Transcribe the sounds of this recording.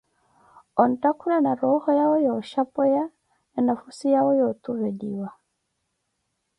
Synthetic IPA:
ɔntakuɾanaɾɔhɔjaɔjɔʃapɛja | nɛnafusijaɔjɔt̪uβɛdiwa

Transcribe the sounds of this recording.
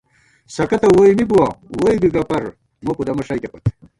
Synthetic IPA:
sɐkɐt̪ɐwojmibuwɐwojbiɡɐpɐɾ | mɐpud̪ɐmɐʂɐjt̪epɐt̪

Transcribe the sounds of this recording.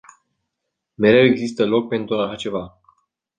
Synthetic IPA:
me̞ɾe̞we̞ɡzist̪əlo̞k̚pe̞nt̪ɾuaʃat͡ʃe̞va

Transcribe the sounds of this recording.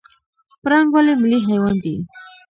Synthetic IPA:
pɾɑŋɡwalimɪliɦajwɑnd̪i

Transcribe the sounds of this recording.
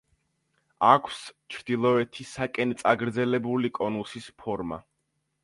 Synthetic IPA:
akʰst͡ʃʰɾd̪ilˠɔɛt̪ʰisakʼɛnt̪sʼaɡɾd̪zɛlɛbulikʼɔnusispʰɔɾma̰

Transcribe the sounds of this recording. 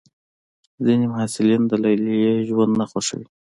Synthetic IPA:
zinimʊɦasɪlind̪əlajlijeʒwand̪naxoʃə̰wi

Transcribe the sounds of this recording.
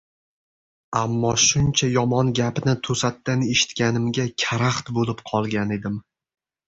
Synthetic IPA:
amːɒʃʊnt͡ʃʰajɒmɒnɡʲapnɪt̪ʰosat̪ːaneʃɪ̥t̪kʲanɪmɡʲakʲʰaɾaχt̪bolɪpqʰɒlˠɡʲane̞d̪ɪm

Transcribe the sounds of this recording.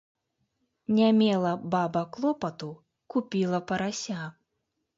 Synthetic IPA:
nʲamʲɛlˠɐbabɐklˠɔpɐt̪u | kupʲilˠɐpɐɾasʲa

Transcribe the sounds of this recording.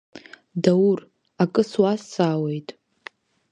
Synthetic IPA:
daur | akʼɨswasaːwe̞jtʼ

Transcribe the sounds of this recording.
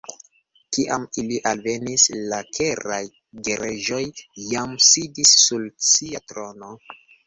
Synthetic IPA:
kiʔamiliʔalve̞nislakʰe̞ɾaj | ɡe̞ɾʔeʒo̞jːamsidisːulsiatɾo̞no̞

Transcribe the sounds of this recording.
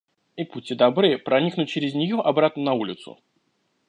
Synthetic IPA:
iputʲːɪd̪ɐbɾɨpɾɐnʲiknʊt̚ʲt͡ɕɪɾʲɪzʲnʲɪjoʔɐbɾat̪nənɐulʲɪt̪sʊ̰

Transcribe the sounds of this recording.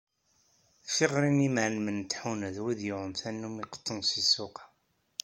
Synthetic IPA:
fiʁɾinimʕnmənt̪ːħunæðwiðjʊʁənθænːumiqə̥t̪ˤːənsisʊqɑ̥

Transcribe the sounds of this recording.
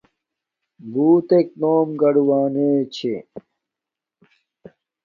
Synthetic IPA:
buːt̪ek̚noːmɡɐɽuwaːneːt͡ɕʰe

